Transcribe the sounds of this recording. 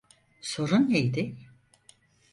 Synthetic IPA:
so̞ɾunjejd̪ɪ

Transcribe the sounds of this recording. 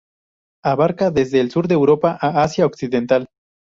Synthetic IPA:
aβaɾkaðezðe̞ːlsuɾðe̞ːwɾo̞paʔaasjaoksiðe̞nt̪al

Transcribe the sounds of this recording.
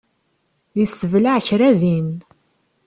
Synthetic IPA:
ðisəvlaʕçɾæðin

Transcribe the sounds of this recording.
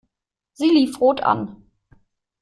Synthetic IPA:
z̥iːliːfʁoːtʰa̰n

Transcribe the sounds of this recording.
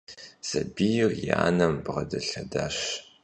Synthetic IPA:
sɐbijrjaːnɐmbʁɐdɐɬɐdaːɕ

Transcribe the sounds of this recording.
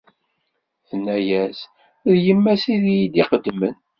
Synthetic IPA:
θənːæjæs | ðjəmːæsiðijid̪iqəd̪ːmən

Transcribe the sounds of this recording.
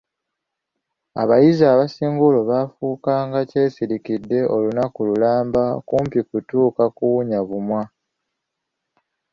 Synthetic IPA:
a̰βajizaːβasiːŋɡulo̞βafuːkaːŋɡace̞ːsiɾikidːe̞ʔo̞lunakululaːmbakuːmpikutuːkakuuɲaβumwa

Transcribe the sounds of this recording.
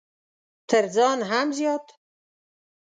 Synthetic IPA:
t̪ʰəɾd͡zɑnɦamzjɔːt̪

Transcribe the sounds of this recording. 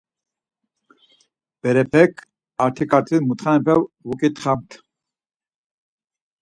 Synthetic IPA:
b̥ɛɾɛpʰɛkʰ | aɾt̪ʰikʼaɾt̪ʰimut̪χaɛpʰɛwvukʼit̪ʰʼχamt̪ʰ

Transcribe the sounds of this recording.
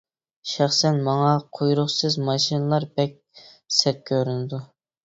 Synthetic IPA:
ʃæχsɛnmɑŋɑqʰojɾʊχsɨzmɑʃinɨlˠɑɾbɛk̚ʲ | sɛt̪̚kʲʰøɾynɪd̪u

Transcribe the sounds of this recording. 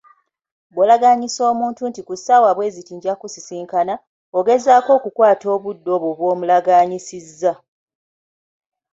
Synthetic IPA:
bwolaɡaɲiso̞ːmuːntuntikusaːwaβwe̞ːzitiːɲɟakusisiːŋkana | oɡe̞zaːko̞ːkukwaːto̞ːβudːo̞ːβoβwo̞ːmulaɡaːɲisizːa

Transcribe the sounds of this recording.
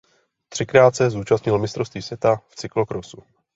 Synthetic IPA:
t̪r̥ɪkɾaːt̪sɛzuːt͡ʃast̪ɲɪlmɪst̪ɾofst̪viːsvjɛt̪aft͡sɪklokɾosu

